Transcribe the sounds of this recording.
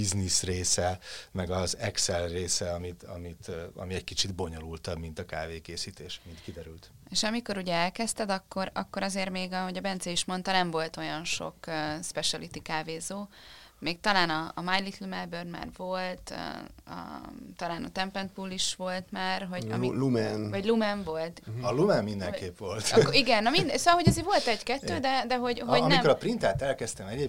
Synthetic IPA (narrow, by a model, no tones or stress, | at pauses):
iznisreːsɛmɛɡɒzɛksɛlreːsɛɒmit̪ɒmit̪ɒ̰miɛckit͡ʃid̪bo̞ɲo̞lult̪ɒbmint̪ɒkaːveːkeːsiːt̪eːʃmint̪kid̪ɛɾylt̪ | eʃɒmiko̞ɾuɟɛɛlkɛst̪ɛd̪ɒkːo̞ɾɒkːo̞ɾɒzeːrmeːɡɒɦo̞ɟɒbɛnt̪sɛiʃmo̞nt̪ɒnɛmvo̞lt̪o̞jɒnʃo̞̰køspɛʃɛlit̪ikaːveːzoːmeːkt̪ɒlaːnɒːmajlit̪lumɛlbørd̪ma̰ːrvolt̪ɒ̰t̪ɒlaːnɒ̰t̪ɛmpɛnt̪pulːiʃʋo̞lt̪maːrɦo̞ɟɒ̰miumɛvɒɟlumɛɱvo̞lt̪ɒlumɛmːind̪ɛ̰ŋkeːpʋo̞lt̪kiɡɛnːomind̪ɛsoːɒlɦo̞ɟɛzeːɾvo̞lt̪ɛɟkɛt̪ːøːd̪ɛd̪ɛɦo̞ɟɦoɟnmiɛmkoɾɒpɾint̪aːt̪ɛlkɛst̪ɛmɛɟeː